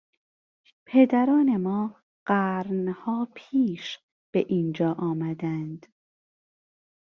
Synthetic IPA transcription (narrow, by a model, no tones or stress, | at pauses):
pʰe̞d̪æɾɒːne̞mɒː | ɢ̥æːɾnhɒːpʰiːʃ | b̥eʔiːnd͡ʒɒːʔɒːmæd̪ænd̪̥